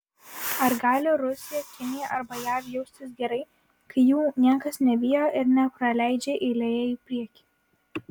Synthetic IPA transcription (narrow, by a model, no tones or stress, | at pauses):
ɐɾɡɑːlʲɪɾʊsʲɪjɛkʲɪnʲɪjɛʔɐɾbɐjæːʋjɛʊsʲt̪ʲɪsɡʲɛɾɐɪ | kɐɪjuːnʲiɛkɐsnʲɛbʲiːjoːʔɪɾnʲɛpɾɐlʲæˑɪd͡ʒʲeʔɪlʲejɛiːpʲɾʲiɛkʲiː